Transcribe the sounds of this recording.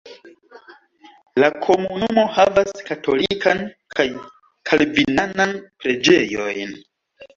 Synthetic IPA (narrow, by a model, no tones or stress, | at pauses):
lakʰo̞munumo̞havaskato̞likan | kʰaj | kʰalvinananpɾe̞d͡ʒe̞jo̞̰jn